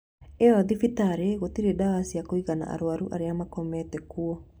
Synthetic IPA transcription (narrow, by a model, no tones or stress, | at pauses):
eaðifitaɾeɣotiɾedawasiakoiɣana̰ʔa̰ɾoaɾuʔa̰ɾeamakomɛtɛkuɔ